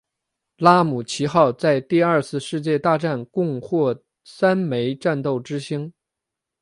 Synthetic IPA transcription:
la˥mu˨˩t͡ɕʰi˧˥xɑ˥˧ʊt͡sa˥˧ɪt̪i˥˧ɐ˞˥˧t͡sʰɹ̩˥˧ʂɻ̩˥˧t͡ɕjɛ˥˧t̪a˥˧ʈ͡ʂa˥˩nkʊ˥˧ŋxwɔ˥˩ | sa˥nme˧˥ɪʈ͡ʂa˥˧nt̪o˥˩ʊʈ͡ʂɻ̩˥ɕi˥ŋ

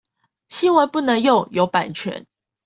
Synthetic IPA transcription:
ɕi˥nwa˧˦pu˥˩nə˧˦ŋjo˥˩ʊjo˧˥ʊpa˨˩nt͡ɕʰɥɛ̰˧˦n

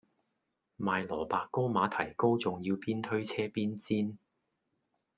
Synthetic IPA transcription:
maː˨jlɔː˨˩paː˨˧kːo˥wmaː˨˥t̪ʰɐ˨˩jko˥wt͡sʊ˨ŋjiː˧wpiː˥nt̪ʰɵ˥ɥt͡sʰɛː˥piː˥nt͡siː˥n

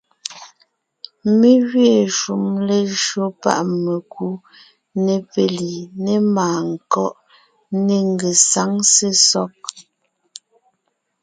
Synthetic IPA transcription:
me˦ɣɥe˨ʃu˨mle˨ʒɰo˦pa̰˦ʔme˨ku˦ | ne˨pe˨li˨ne˦maː˨ŋ˨kɔ˦ʔ | ne˨ŋ˨ɡe˨sa˨˦ŋse˦sɔ˦k̚

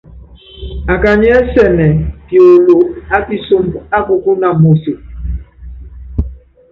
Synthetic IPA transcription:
a˨ka˨ɲ˦ɛ˦sɛ˨nɛ˨pjo˨lo˨a˦ti˦so˦mba˦ko˨ku˦na˨mo˨so˨

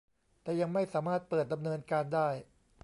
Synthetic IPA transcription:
t̪ɛː˨˩ja˧ŋma˥˩jsaː˩˦maː˥˩t̪̚pɤː˨˩t̪̚da˧mnɤː˧nkaː˧ndaː˥˩j

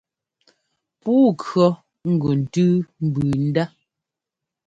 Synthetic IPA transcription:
puː˦kɰɔ˦ | ŋ̩˦˨ɡo˨n̩˨tʉ˦m̩˨bʉ˨n̩˦da˦

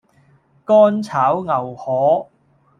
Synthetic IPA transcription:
kɔː˥nt͡sʰaː˨˥wŋɐ˨˩whɔː˨˥

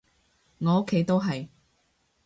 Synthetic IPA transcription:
ŋɔː˨˧o˥kʰːe˨˥jt̪o˥wɦɐ˨j

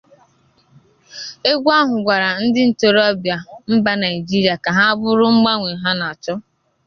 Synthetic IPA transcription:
e˦ɡʷa˦ɦʊ˨ɡʷa˨ɾa˨n̩˦dɪ˦n̩˨to˨ɾɔ˦bja˨m̩˦ba˦na˨i˨d͡ʒi˦ɾi˨a˨ka˨ɦa˦a˦bʊ˦ɾʊ˦ŋ͡m̩˦ɡ͡ba˦ŋʷe˨ɦa˦na˨a˨t͡ʃɔ˦

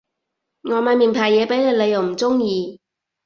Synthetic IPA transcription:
ŋɔː˨˧maː˧nmiː˨˩npʰaː˨˩jɛː˨˧pe˨˥jle˨˧jle˨˧jɐ˨˩wm̩˨˩t͡sʊ˥ŋjiː˨˧

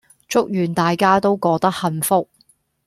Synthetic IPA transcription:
t͡ʃʊ˥k̚jyː˨˩nt̪aː˨jkaː˥t̪o˥wkɔː˧k̚t̪ɐ˥k̚hɐ˨˧nfʊ˥k̚

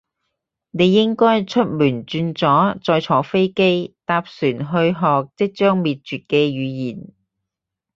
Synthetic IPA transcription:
ne˨˧jːɪ˥ŋkɔː˥jt͡ʃʰɵ˥t̚myː˨˩nt͡ʃyː˧nt͡sɔː˨˥t͡sɔː˧jt͡sʰɔː˨˥fe˥jke˥jt̪aː˧p̚syː˨˩nɦɵ˧ɥɦɔː˨k̚t͡sɪ˥k̚t͡ʃœː˥ŋmiː˨t̚t͡ʃyː˨t̚kɛː˧jyː˨˧jiː˨˩n

